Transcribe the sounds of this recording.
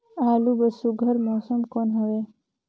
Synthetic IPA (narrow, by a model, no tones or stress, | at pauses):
aːlubɐsuɡʱɐɾmoːsumkonɦɐʋe